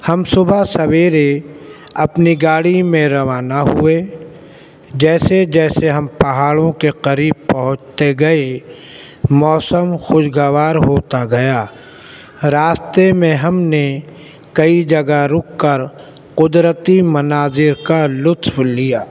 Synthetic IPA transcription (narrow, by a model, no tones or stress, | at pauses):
hɐmsʊbʱasɐʋeːɾe | ɐpniɡaːɽimẽɾɐʋaːnaɦʊe | d͡ʒɛːsed͡ʒɛːseɦɐmpɐɦaːɭõkeqɐɾiːb̚pɐɦʊ̃t͡ʃt̪eɡɐe | mɔːsəmxʊʃɡəʋaːɾɦoːt̪aɡɐjaː | ɾaːst̪emẽɦɐmne | kɐid͡ʒɐɡaɾʊkːəɾ | qʊd̪ɾət̪imɐnaːzɪɾkalʊt̪wlijaː